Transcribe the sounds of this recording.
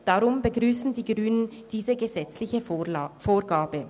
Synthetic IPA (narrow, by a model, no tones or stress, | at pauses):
d̥aʁʊmbəɡʁyːsn̩diːɡʁyːnənd̥iːzəɡəzɛt͡slɪçəfoːɐɡaːbə